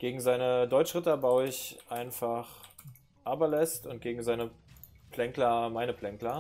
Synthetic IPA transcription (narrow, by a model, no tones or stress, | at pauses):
ɡ̥eːɡŋ̩zaɪnədɔʏt͡ʃʁ̥ɪtɐbaʊɪçʔaɪnfaχ | ʔaːbɐlɛstʊnt̚ɡ̥eːɡŋ̩zaɪnə | pʰlɛŋklɐmaɪnəpl̥ɛŋklɐ